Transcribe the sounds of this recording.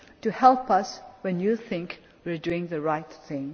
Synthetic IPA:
tuhɛlˠpʌswɛ̃njuθɪ̃ŋk | wiɹduɪ̃ŋðəɹaɪt̪θɪ̃ŋ

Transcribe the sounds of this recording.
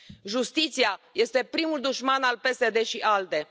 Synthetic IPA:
ʒust̪it̪siaje̞st̪e̞pɾimuld̪uʃmanalpe̞se̞d̪e̞ʃiʔald̪e̞

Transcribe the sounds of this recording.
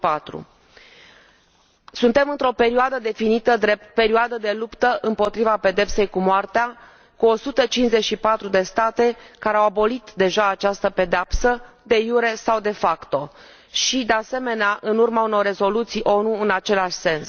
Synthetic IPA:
pat̪ɾṵ | sunt̪e̞mɨnt̪ɾo̞peɾiad̪əd̪e̞finit̪əd̪epe̞ɾiad̪əd̪e̞lupt̪əʔɨmpo̞t̪ɾivape̞d̪e̞pse̞jkumoart̪ea | kuo̞sut̪ət͡ʃinsze̞t͡ʃʃipat̪ɾud̪e̞st̪at̪e̞kaɾeawabo̞lit̪d̪e̞ʒaːt͡ʃast̪əpe̞d̪eapsəd̪e̞juɾe̞sawd̪e̞fakt̪o̞ | ʃid̪e̞ase̞me̞neaʔɨnurmauno̞rːe̞zo̞lut̪sijʔo̞nuɨnat͡ʃe̞laʃʲse̞ns

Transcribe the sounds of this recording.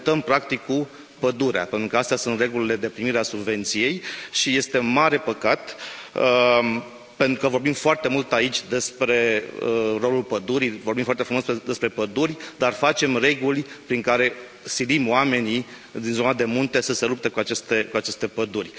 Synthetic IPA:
t̪əmpɾakt̪ikːu | pəd̪uɾea̰pent̪ɾukəast̪asunt̪re̞ɡulile̞d̪e̞pɾimiɾeasubve̞nt̪sije̞jʃije̞st̪e̞maɾe̞pəkat̪ | pe̞nt̪ɾukəvo̞rbimfoart̪e̞mult̪ait͡ʃʲd̪e̞spɾe̞ | ro̞lulpəd̪uɾivorbimfoart̪efɾumosed̪e̞spɾe̞pəd̪urʲd̪arfat͡ʃe̞mre̞ɡulʲpɾiŋkaɾe̞ | silimoame̞ni | d̪inzonad̪e̞munt̪e̞səse̞lup̚t̪ekuat͡ʃest̪e̞kuat͡ʃe̞st̪e̞pəd̪urʲ

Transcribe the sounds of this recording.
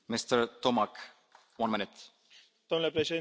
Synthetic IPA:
mɪst̪əɹt̪ɔmak | wɐ̃nmɪnɪt̪ | d̪omnulepɾeʃed̪i

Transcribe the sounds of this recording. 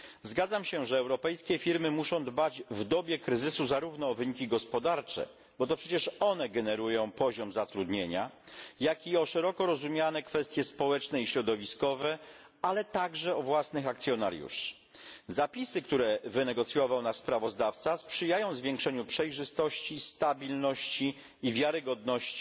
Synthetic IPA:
zɡad̪zamɕɛʐɛːwɾɔpɛjskʲɛfʲiɾmɘmuʂɔ̃w̃d̪bad͡ʑvd̪ɔbʲjɛkɾɘzɘsuzaɾuvnɔːvɘɲikʲiɡɔspɔd̪aɾt͡ʂɛ̰ | bɔt̪ɔpʂɛt͡ɕɛʂɔnɛɡɛnɛɾujɔ̃w̃pɔʑɔmzat̪ɾud̪ɲeɲajakʲiɔʂɛɾɔkɔɾɔzumʲjanɛkfɛst̪ʲjɛspɔwɛt͡ʂnɛiɕɾɔd̪ɔvʲiskɔvɛ | alɛt̪aɡʐɛɔvwasnɘxakt̪sʲjɔna̰ɾjṵʂ | zapʲisɘkt̪uɾɛvɘnɛɡɔt̪sʲjɔvawnaʂspɾavɔzd̪aft̪saspʂɘjajɔ̃w̃zvʲjeŋkʂɛɲupʂɛjʐɘst̪ɔɕt͡ɕist̪abʲilnɔɕt͡ɕiː | vʲjaɾɘɡɔd̪nɔɕt͡ɕi̥

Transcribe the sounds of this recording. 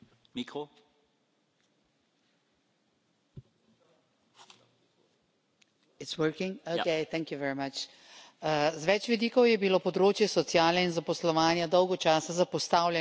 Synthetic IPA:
miko | itswəɾkĩŋokeɪt̪ɛ̃ŋkjuʋɛɾimat͡ʃ | zʋɛt͡ʃʋid̪iːkɔwjɛbilopɔd̪ɾoːt͡ʃjɛsɔt̪sjaːlɛinzapɔslɔʋaːnjad̪ɔwɡɔt͡ʃaːsazapɔst̪aːwlʲjɛ

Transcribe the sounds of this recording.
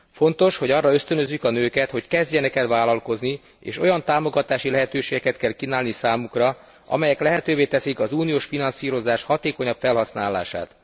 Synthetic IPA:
fo̞nt̪o̞ʃho̞ɟɒrːɒø̞st̪ønøzːykɒnøːkɛt̪ho̞ckɛzɟɛnɛkɛt̪ʋaːlɒlko̞zni | ḛːʃo̞jɒnt̪aːmo̞ɡɒt̪aːʃilɛɦɛt̪øːʃeːɡɛkɛt̪kɛlkinaːlnisaːmukrɒ | ʔɒ̰mɛjɛklɛɦɛt̪øːveːt̪ɛsikɒzuːnioːʃfinɒnsiːɾo̞zaːʃhɒt̪eːkoɲɒpfɛlɦɒsnaːla̰ːʃa̰ːt̪

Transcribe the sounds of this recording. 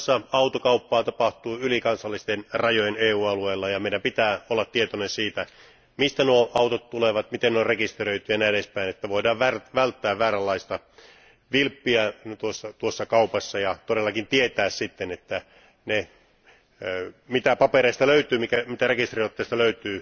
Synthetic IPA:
sːɑɑut̪okɑupːɑːt̪ɑpɑht̪uːylikɑnsɑlːist̪enrɑjojeneːuːɑlueːlːɑjɑmeidæmpit̪æːolːɑt̪t̪ːiet̪onensiːt̪æ | mist̪ænuoʔɑut̪ot̪t̪uleʋɑt̪mit̪ennorekist̪erøit̪yjɑnæːeespæinet̪ːæʋoidɑːʋʋærʋælt̪ːæːʋʋæːɾælːɑist̪ɑ | ʋilpːiæt̪uosːɑt̪uosːɑkɑupɑsːɑjɑt̪odelːɑkint̪iet̪æːssit̪ːenet̪ːæ | ne | mit̪æpɑpeɾeist̪ɑløyt̪yːmikæmit̪ærekist̪riot̪ːeˑːst̪ɑløyt̪yː

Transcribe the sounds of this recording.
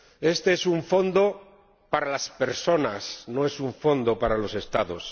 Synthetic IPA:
e̞st̪e̞esuɱfo̞nd̪o̞ | paɾalaspe̞ɾso̞nasno̞e̞suɱfo̞nd̪o̞paɾalo̞se̞st̪aðo̞s

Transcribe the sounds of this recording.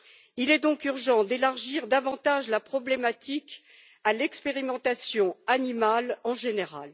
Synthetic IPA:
ilɛd̪ɔ̃kyʁʒɑ̃d̪elaʁʒiʁd̪avɑ̃t̪aʒlapχɔblemat̪ʰik | alɛkspeʁimɑ̃t̪asjɔ̃animalɑ̃ʒeneʁa̰l

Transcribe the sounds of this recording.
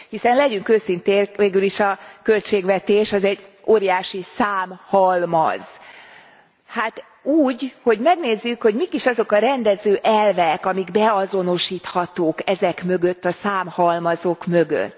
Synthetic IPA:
hisɛnlɛɟyŋkøːsint̪eːveːɡyliʃɒkølt͡ʃeːɡʋɛt̪eːʃɒzɛɟː | oːɾijaːʃisaːmhɒlmɒ̰z̥ | hat̪ | uːɟho̞ɟmɛɡneːzːykho̞ɟmikiʃɒzo̞kɒɾɛnd̪ɛzøːʔɛlvɛkɒmiɡbɛɒzo̞no̞ʃiːt̪hɒt̪oːkɛzɛkmøɡøt̪ːɒsaːmhɒlmɒzokmø̞ɡø̰t̪ː

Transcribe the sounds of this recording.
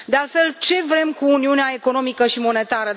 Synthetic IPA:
d̪ealt̪fe̞lt͡ʃe̞vɾe̞mkuːniuneae̞ko̞no̞mikəʃimo̞ne̞t̪aɾə

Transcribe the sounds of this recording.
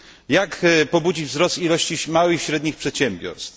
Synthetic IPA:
jakpɔbud͡ʑivzɾɔst̪ilɔɕt͡ɕimawɘxiɕɾɛd̪ɲixpʂɛt̪ɕɛmbʲjɔ̰ɾst̪f

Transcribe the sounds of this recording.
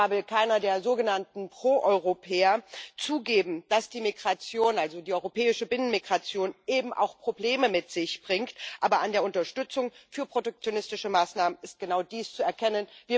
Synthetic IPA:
vɪlkʰaɪnɐdeːɐzoːɡənantn̩pʁ̥oːʔɔʏʁopʰɛːɐt͡suːɡeːbm̩d̥asd̥iːmiɡʁat͡sjoːnʔalzodiːʔɔʏʁopɛːɪʃəbɪnənmiɡʁat͡sjoːnʔeːbm̩ʔa̰ʊxpʁ̥obleːməmɪtz̥ɪçb̥ʁɪŋktʔaːbɐʔandeːɐʊntɐʃtʏt͡sʊŋfyːɐpʁ̥otɛk̚t͡sjonɪstɪʃəmaːsnaːmənɪst̚ɡ̥ənaʊdiːst͡suɛɐkʰɛnənviːɐ

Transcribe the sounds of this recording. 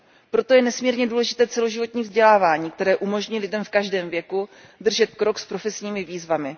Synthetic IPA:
pɾo̞t̪o̞jɛnɛsmiːɾɲɛduːlɛʒɪt̪ɛːt͡sɛlo̞ʒɪvo̞t̪ɲiːvzɟɛlaːvaːɲiːk̚t̪ɛɾɛːʔumo̞ʒɲilɪdɛmfkaʒdɛːmvjɛku | dr̩ʒɛt̪kɾo̞kspɾo̞fɛsɲiːmɪviːzvamɪ

